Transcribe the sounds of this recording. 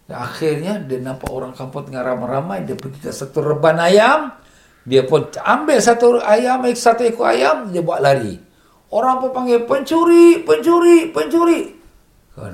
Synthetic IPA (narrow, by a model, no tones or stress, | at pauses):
jaa̰xɪrɲadanampa̰ʔoɾaŋkampɔt̪̚ŋaɾamaɾamajdiapənt͡ʃitasat̪urəbanajam | diapɔnambɛlsat̪uajamaksat̪uikua̰jamd͡ʒabuaʔlaɾḭ | oɾaŋpənpaŋɡɛpəɲt͡ʃuɾipəɲt͡ʃuɾipəɲt͡ʃuɾiʔ | ka̰